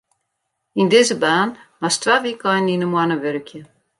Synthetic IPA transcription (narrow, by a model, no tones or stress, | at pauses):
indɪzəbaːnmastʋaʋikʰɔjninəmwanəʋørəkjə